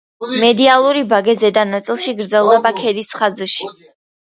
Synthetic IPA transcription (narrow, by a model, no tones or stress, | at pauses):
mɛd̪ialˠuɾibaɡɛzɛd̪anat̪sʼilˠʃiɡɾd̪zɛlˠd̪ɛbakʰɛd̪isχazʃi